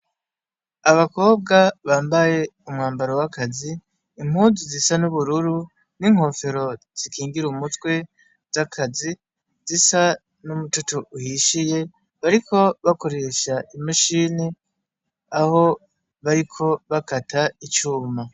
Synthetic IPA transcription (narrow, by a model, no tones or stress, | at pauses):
aβako̞ːb̚ɡaβaːmbaje̞umŋaːmbaɾowakʰaziː | m̥huzizisanuβuɾuɾu | niŋ̥ho̞fe̞ɾo̞ | z̥ikʰiːŋɡiɾumutwe̞ | z̥akʰazi | zisa | numututuuhiʃije̞ | βaɾikʰo̞βako̞ɾe̞ːʃaʔimaʃini | aho̞ | βaɾikʰo̞βakatʰait͡ʃuːma